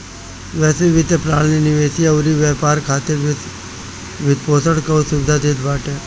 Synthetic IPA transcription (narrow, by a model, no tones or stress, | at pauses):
ʋɛːsiʋɪt̪epɾaːɳninɪʋeːsiɐʋɾiʋɛːpaːɾkʰaːt̪ɪɾ | ʋɪt̪poːsəɽkɐusʊbɪd̪ʱad̪eːd̪baːʈeː